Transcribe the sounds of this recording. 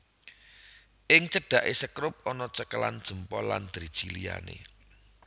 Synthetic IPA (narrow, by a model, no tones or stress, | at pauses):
ʔɪŋt͡ʃəɖ̥a̤ʔesəkɾʊp̚ɔnɔt͡ʃəkəland̥ʒ̥ə̤mpɔland̪̥ɾi̥ʒ̥ilija̰nḛ